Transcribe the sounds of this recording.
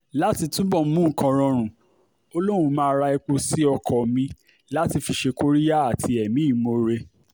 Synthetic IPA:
la˨˦ti˧tũ˦bɔ˦˨˦mũ˦˨kã˧ɾ̃ɔ̃˧ɾ̃ũ˨ | o˧lo˦ɾ̃ũ˧mãː˦˧˦ɾa˧ɛ˧k͡pu˧si˦ɔ˧kʰɔ˨mĩ˧ | la˦ti˧fi˧ʃe˧ko˦ɾi˦ja˦a˨tʰi˧ɛ˨mĩ˨˦i˦˨mo˧ɾe˧

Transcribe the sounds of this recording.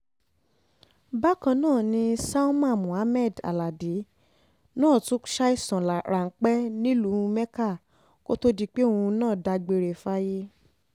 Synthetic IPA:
ba˦kã˧nãː˦˨nĩ˧sa˦u˦mã˦˨mũ˨a˨˦mɛ˦˨da̰˨la˨de˨˦ | nãː˦˨tũ˨˦ʃa˦i˦˨sã˨lɾa˨ŋ̩˦k͡pɛ˦nĩ˦lu˨˦˧mɛ˦ka˦˨ | ko˦to˦di˧˦k͡pe˦o˦ũ˧nãː˦˨da˧ɡ͡be˧ɾe˨fa˦je˦

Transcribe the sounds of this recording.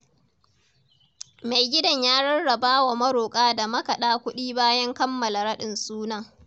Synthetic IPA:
ma˨jɡʲɪ˦dɐ˨ɲjaː˦ɽɐ˦ɽːɐ˨baː˦wa˨mɐ˦ɽoː˨kʼaː˦da˨mɐ˦kɐ˨ɗaː˦kʷʊ˦ɗiː˦baː˦jɐ˦ŋkɐ˦mːɐ˨la˨ɽɐ˦ɗɪ˨nsuː˦nɐ˦ŋ

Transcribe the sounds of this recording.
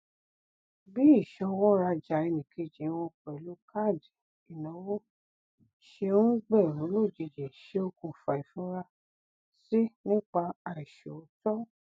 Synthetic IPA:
bi˦i˦˨ʃɔ˧wɔ˦ɾa˧d͡ʒa˨e˧nĩ˨kʰe˧˦d͡ʒĩ˨˦w̃ɔ̃˧kɛ˨lu˨˦ka˦˨di˨ | i˨nɔ̃˨˦wo˦ | ʃe˧ũ˦ɡ͡bɛ˦˨ɾũ˨˦lo˦˨d͡ʒi˧d͡ʒe˨ʃe˧˦o˧kũ˨fa˨i˨fũ˨˦ɾa˧ | si˦nĩ˦k͡pa˧a˨i˨ʃo˨o˨˦tɔ˦

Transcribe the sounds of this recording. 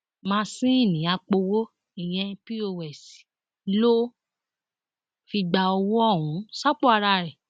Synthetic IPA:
mãː˧sĩ˦i˦˨nĩ˨˦a˧k͡po˧wo˦ | i˦˨j̃ɛ̃˧pi˦o˧˨wɛ˨si̥˨ | lo˦ | fi˧ɡ͡ba˧ɔ˧wɔ˦ɔ˦˨ɦũ˨˦sa˦k͡po˦a˧ɾa˧˨ɾɛ˨

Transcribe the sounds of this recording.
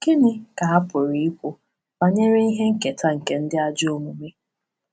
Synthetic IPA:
kɪ˦nɪ˦ka˨a˦pʊ˨ɾi˨i˦kʷʊ˦ | ba˦ɲe˦ɾe˦i˦ɦe˦ŋ̩˦ke˨tʰa˦ŋ̩˨ke˨n̩˦dɪ˦a˦d͡ʒɪ˦o˦mu˨me˦

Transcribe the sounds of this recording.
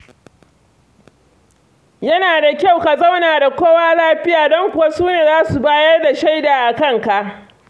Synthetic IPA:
jɐ˦naː˨da˨kʲa˦˨wka˨zɐ˦˨wnaː˨da˨kʷoː˦waː˦laː˦ɸɪ˦jaː˨dɔ˦ŋkʷʊ˨wa˦suː˦neː˨zaː˦su˨baː˦jɐ˦rda˨ʃa˦jdaː˨ʔa˨kɐ˦ŋka˨ʔ

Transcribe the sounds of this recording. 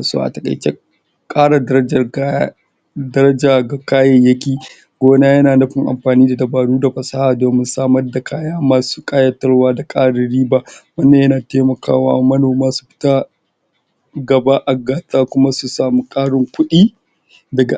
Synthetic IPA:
a˨so̰ː˦ʔa̰˨tɐ˨kʼɐ̰˨jt͡ʃḛ˦ | kʼaː˦ɽa˨dɐ˦ɐ˦d͡ʒɐ˨˦ | dɐ˦ɾɐ˦d͡ʒaː˨ɡa˨kaː˦jɐ˨jɐ˦kʲiː˨ | ɡ̥ʷoː˦naː˦jɐ˦naː˨nɐ˦ɸɪ˨ŋʔa̰˨mɸaː˨niː˦da˨dɐ˨baː˨ɽuː˦da˨ɸɐ˨saː˦haː˨doː˨mɪ˦nsaː˦mɐ˦rda˨kʰaː˦jaː˦maː˦˨su̥ː˦kʼaː˦jɐ˦tɐ˦ɽwaː˦da˨kʼaː˦ɽɪ˨ɽiː˦baː˨wɐ˦nːaː˨jɐ˦naː˨teː˦mɐ˨ka̰ː˦wa̰ː˦mɐ˦noː˨maː˦su̥˨ɸɪ̥˦ta˦ | ɡɐ˨ba˦ʔa˨ɡaː˨taː˦kʷʊ˦ma˦su˨saː˨mi˦kʼaː˦ɽɪ˨ŋkʷʊ˦ɗiː˦ | dɐ˨ɡa̰˨

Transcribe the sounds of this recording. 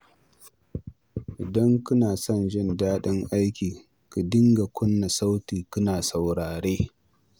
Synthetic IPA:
ʔɪ˨dɐ˦ŋkʊ˦naː˨sɔ˦nʒɪ˦˨ndaː˦ɗɪ˦ŋʔa˦jkʲiː˨ | ku˨dɪ˦ŋɡa˨kʷʊ˦nːa˨sa˦wtiː˨kʊ˦naː˨sa˨wɽaː˨ɾeː˦

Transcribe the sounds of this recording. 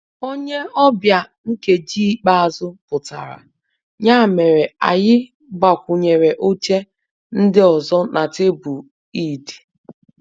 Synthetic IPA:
o˦ɲe˦ɔ˦bja˨ | ŋ̩˦ke˨d͡ʒi˦k͡pa˦a˨zʊ˦pʊ˨ta̰˨ɾa̰˨ | ɲa˦˨me˨ɾe˨a̰˨jɪ˦ | ɡ͡ba˨kʷʊ˨ɲe˨ɾe˨ʔo˦t͡ʃe˦ | n̩˦dɪ˦ɔ˨zɔ˦nʔa˨te˦bu˨ | i˦˨di̥˨

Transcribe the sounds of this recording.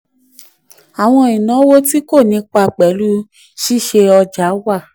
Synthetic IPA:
a˨w̃ɔ̃˧i˨nã˨˦wo˦ti˦ko˦˨nĩ˧˦k͡pa˧k͡pɛ˨˦lu˦ | ʃi˦˨ʃe˧ɔ˧d͡ʒa˨˦wa˦˨

